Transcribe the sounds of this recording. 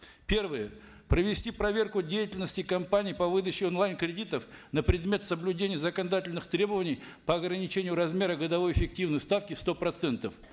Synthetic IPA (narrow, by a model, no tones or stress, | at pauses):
pʲe̞rvɨjə | pɾəvʲɪsʲtʲipɾɐvʲe̞rkʊdʲejɪtʲɪlʲnəsʲtʲɪkɐmpanʲɪjpɐvɨd̪ət͡ɕːɪonlˠajnkɾʲɪdʲit̪əfnəpɾʲɪd̪mʲe̞t̪səblʲʉdʲenʲɪjəzəkənɐd̪atʲɪlʲnɨxt̪ɾʲe̞bəvənʲɪj | pəɐɡɾənʲɪt͡ɕenʲɪjʊɾɐzmʲe̞ɾəɡəd̪ɐvo̞jɪfʲɪk̚tʲivnəjst̪afkʲɪst̪o̞pɾɐt̪sɛnt̪əf